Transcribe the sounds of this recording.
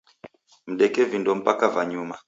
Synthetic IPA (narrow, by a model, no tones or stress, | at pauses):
m̩ɗɛkɛvindɔm̩pakavaɲuma